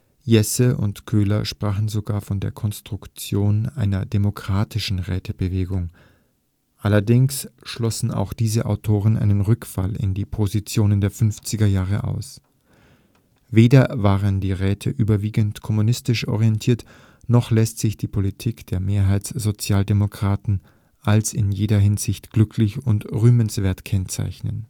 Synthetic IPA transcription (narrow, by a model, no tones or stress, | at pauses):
jɛsəʔʊ̰ntkʰøːlɐʃpʁ̥aːχn̩zoɡaːɐfɔndeːɐkʰɔnstʁ̥ʊkt͡sjoːnʔaɪnɐdemokʁ̥aːtʰɪʃn̩ʁɛ̰ːtʰəbəveːɡʊŋ | ʔalɐdɪŋsʃlɔsn̩a̰ʊxd̥iːzəʔa̰ʊtʰoːʁənʔa̰ɪnənʁʏkfa̰lɪ̰ndiːpʰozit͡sjoːnəndeːɐfʏnft͡sɪɡɐjaːʁəʔa̰ʊs | veːdɐvaːʁəndiːʁɛːtʰəʔyːbɐviːɡəntkʰɔmunɪstɪʃʔɔ̰ʁiɛntʰiːɐt | nɔχlɛstz̥ɪçd̥iːpʰolitʰiːkd̥eːɐmeːɐɦaɪtsz̥ot͡sjaːldemokʁ̥aːtn̩ | ʔalsɪnjeːdɐɦɪnzɪçtɡ̥lʏkʰlɪçʊntʁyːmənsv̥eːɐtkʰɛnt͡sa̰ɪçnə̰n